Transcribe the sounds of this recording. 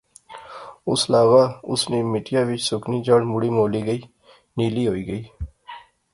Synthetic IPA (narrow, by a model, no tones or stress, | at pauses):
ʊslaːʋaːʊsneːmɪʈɪjaːʋɪt͡ʃsʊkniːd͡ʒəɽmʊɽiːmoːliːɡəiː | niːliːɦoːiːɡəiː